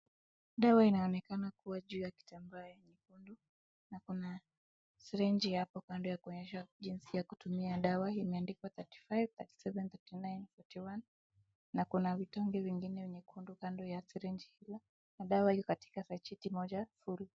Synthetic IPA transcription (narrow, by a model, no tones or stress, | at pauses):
ɗawainaɔnɛkanakuwaʄuːjaki̥tambaajɛɲɛkundu | nakuna | siɾɛnd͡ʒijapɔkandɔjakuɔɲɛʃaʄinsijaku̥tumiaɗawaimɛandikwaθati̥fajvθati̥sɛvɛnθɛtinajnfɔtiwanː | akunavitɔŋɡɛviŋɡinɛwɛɲɛkʰundukandɔjasɛɾɛnd͡ʒihila | naɗawahijɔkati̥kasat͡ʃitimɔʄafuɾi